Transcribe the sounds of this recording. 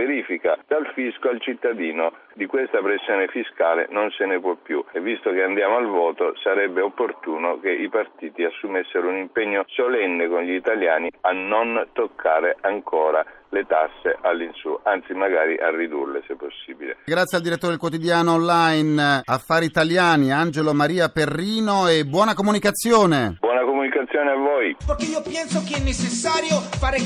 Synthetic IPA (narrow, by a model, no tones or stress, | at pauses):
veɾiːfikad̪alfiskoalt͡ʃit̪ːad̪iːno | d̪ikwest̪apɾesːjoːnefiskaːlḛnonsenepwɔpːjuevːist̪okeand̪jaːmoalvɔːt̪osaɾɛbːeopːort̪uːnokeʔipart̪iːt̪iasːumɛsːeɾounimpɛɲːosolɛnːekonʎiːt̪aljaːnianːont̪okʰːaːɾeʔaŋkʰoːɾalet̪asːeʔalːinsuʔant̪simaɡaːɾiʔa̰rːid̪ṵrlesepːosːiːbilḛɡɾat̪sːjald̪iɾet̪ːoɾd̪elkwot̪id̪jaːnoːnlajnafːaːɾiːt̪aljaːniand͡ʒelomaɾiːaperːiːnoebːwɔːnakomunikat̪sːjoːnebwɔːnakomunikat̪sːjoːneavojpojkeiːopjɛnsokeɛnːet͡ʃːesːaːɾjofaːɾe